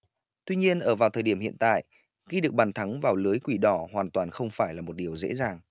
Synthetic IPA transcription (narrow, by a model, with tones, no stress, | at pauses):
t̪wi˧ɲi˧ənʔəː˧˩vaː˨˩wt̪ʰəː˨˩jɗi˧˩mhḭ˧˨ənt̪a̰ː˧˨jʔ | ɣi˧ɗɨ˨˩ək̚ɓaː˨˩nt̪ʰa˨˦ŋvaː˨˩wlɨ˨˦jkwi˧˩ɗɔ˧˩hwaː˨˩nt̪waː˨˩nxə˧wŋ͡mfaː˧˩jlaː˨˩mo˨˩t̚ɗi˨˩əwzḛ˧˥zaː˨˩ŋ